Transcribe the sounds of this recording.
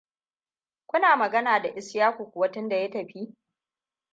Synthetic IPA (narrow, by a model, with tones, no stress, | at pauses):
kʷʊ˦naː˨mɐ˨ɡɐ˦naː˨da˨ʔɪ˦sjaː˦kʷu˨kʷʊ˨wɐ˦tɪ˦nda˨jɐ˦tɐ˨ɸi˦